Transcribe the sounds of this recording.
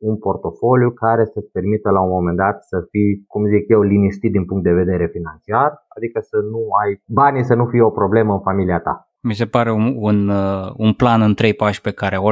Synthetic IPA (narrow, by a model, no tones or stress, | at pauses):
unpo̞rt̪o̞fo̞ljukaɾe̞səpe̞rmit̪əlaunmo̞me̞nd̪at̪səfikumzikje̞wliniʃt̪it̪̚d̪inpuŋkt̪̚d̪eve̞d̪e̞ɾe̞finant͡ʃiarad̪ikəsənuajbanisənufijeo̞pɾo̞ble̞məɨnfamiliat̪a̰ | mis̬e̞paɾe̞ununplanɨnt̪ɾe̞jpaʃʲpe̞kaɾeo